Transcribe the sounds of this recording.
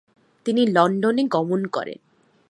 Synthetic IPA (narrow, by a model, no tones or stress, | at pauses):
t̪inilɔɳɖoneɡɔmonkɔ̰ɾḛn